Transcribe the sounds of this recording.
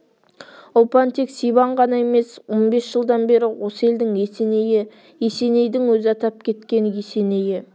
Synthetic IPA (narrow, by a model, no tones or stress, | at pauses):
opant̪eksijbɑɴʁɑnɑe̞me̞swo̞nbe̞sʒ̥əlˠd̪ɑnbe̞ɾɪwo̞səe̞ld̪ɪŋnejɪ | jese̞ne̞jd̪ɪŋwɵzɪɑt̪ɑp̚kʲʰe̞t̪kʲe̞njese̞ne̞jɪ